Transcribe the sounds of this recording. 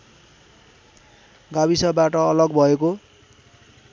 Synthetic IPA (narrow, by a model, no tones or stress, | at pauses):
ɡabisʌbaʈʌːlʌɡbʱʌeko